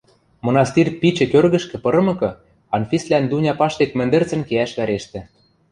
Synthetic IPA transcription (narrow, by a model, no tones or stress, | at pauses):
mŏnɑst̪irpit͡ɕɘ̆kørɣə̆ʃkɘ̆pɤ̆ɾɤ̆mɤ̆kɤ̆ | ɑnfʲislænd̪unʲɑpɑʃt̪ekmɘ̆nd̪ɘ̆rt͡sə̆nkeæʃβæɾeʃt̪ĕ